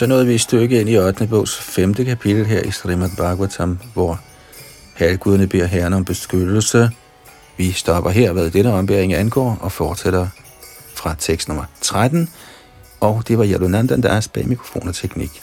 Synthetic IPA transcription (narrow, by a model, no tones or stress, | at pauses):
sɒ̽nɔ̽ːð̩ˠʋiisd̥øɡ̥əe̝n̰iɒd̥nəb̥ɔ̰ʊsfemd̥əkʰæpʰid̥l̩ɦeɐ̰ʔisʁimæd̥b̥ɑ̈ɡ̥wæt͡sʰɒmʋɒ | hælɡ̥uðˠɐnəb̥e̝ɐ̰ɦæɐnɒ̽mb̥e̝sɡ̥ød̥l̩sə | ʋisd̥ɒ̽b̥ɐɦeɐ̰ʋæðˠd̥enəɒ̽mb̥eɐ̰eŋænɡ̥ɒ̰ːɒ̽fɒːd̥seɾ̥ɐ | fʁɑ̈t͡sʰeɡ̥sd̥nɔ̽mɐt͡sʰʁad̥n̩ | ʔɒ̽ʊd̥e̝ʋɑ̈jælunænd̥ænd̥æsb̥ɛ̰mikʰʁo̝fo̝̰ːnɒ̽t͡sʰeɡ̥nḭɡ̥